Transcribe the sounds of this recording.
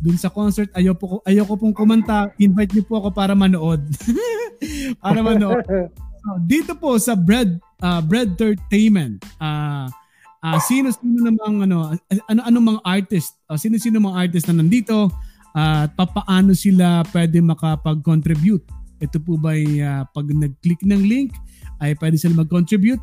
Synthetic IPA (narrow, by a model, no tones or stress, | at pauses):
d̪ʊnsɐko̞nsɛɹt̪̚ɐjopokoʔɐjowkopʊŋkʊmɐnt̪aʔɪnvajt̪̚ɲopʊʔɐko̞paːɾɐmɐnoʔo̞d̪̚ | paːɾɐmɐnoʔosod̪iːt̪o̞po̞sɐbɹɛd̪̚ | ʔaːbɾɛd̪̚t̪ɛɹt̪ejmɛnt̪ʔaː | ʔasiːnosiːnonɐmɐŋʔɐno̞ʔɐnoʔɐnoŋmɐŋaʔaɹt̪ɪst̪̚osiːnosiːnomɐŋaʔaɹt̪̬ɪst̪̚ɐnɐnd̪iːt̪o̞ | ʔapapɐʔaːno̞sɪlapwɛd̪ɛmɐkɐpɐɡ̚kont̪ɾɪbjut̪̚ʔɛt̪opʊbɐjapɐɡnɐɡ̚klɪknɐŋliŋkʔɐjpwɛːd̪ɪsɪlamɐɡ̚kont̪ɾɪbjut̪̚